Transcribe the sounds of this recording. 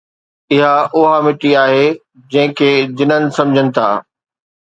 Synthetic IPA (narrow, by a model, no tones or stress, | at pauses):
ɪɦaʔʊɦamɪʈiaːɦeː | d͡ʑɐ̃ɦɪ̃kʰeːd͡ʑɪnənɪ̆sɐ̃md͡ʑʱənɪ̆t̪ʰa̰ː